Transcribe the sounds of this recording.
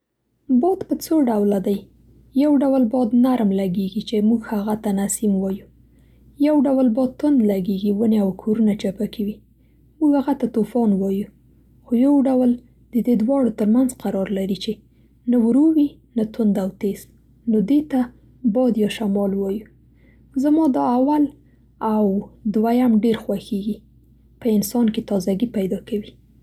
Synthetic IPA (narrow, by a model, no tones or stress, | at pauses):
bɑd̪pət͡soɖawlad̪aj | jawɖawəlbɑd̪naɾmlaɡeɡit͡ʃemuɡhaɣat̪anasimwɑju | jawɖawəlbɑd̪̚t̪ʊnd̪laɡeɡiwəneawkʰoɾunat͡ʃapakʰiwi | muɡhaɣat̪at̪ofɑnwɑju | xojawɖawəl | d̪̥əd̪ed̪wɑɽot̪əɾmanzqaɾɑɾlaɾit͡ʃe | nawɾowi | nat̪ʊnd̪awt̪ez | nod̪et̪a | bɑd̪jɑʃamɑlwɑju | zamɑd̪ɑawal | awd̪wajamɖeɾxwaxeɡi | pəɪnsɑnket̪ɑzaɡipajd̪ɑkawi